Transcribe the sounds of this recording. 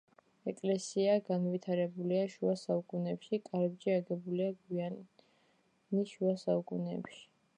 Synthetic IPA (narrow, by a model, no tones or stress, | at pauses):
ɛkʼlɛsiaɡanvit̪ʰaɾɛbuliaʃuasaukʼunɛpʃikʼaɾɛbd͡ʒiaɡɛbuliaɡwia | niʃuasaukʼunɛ̰pʃi̥